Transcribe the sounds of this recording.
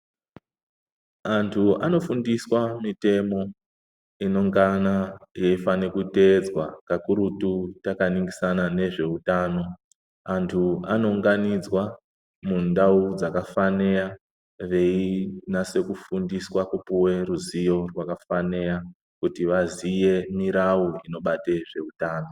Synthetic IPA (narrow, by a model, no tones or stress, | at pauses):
antʰuano̞fundiswamite̞mo̞ | ino̞ŋɡanajeifanekute̞d͡zwakakuɾututakaniŋɡisanane̞ʐe̞utaːno̞ | antʰuano̞uŋɡanid͡zwa | mundaud͡zakafaneja | ʋe̞inase̞kufundiswakupuwe̞ruzijo̞rwakafaneɾa | kutiʋazije̞miɾauino̞ɓateʐe̞utaːno̞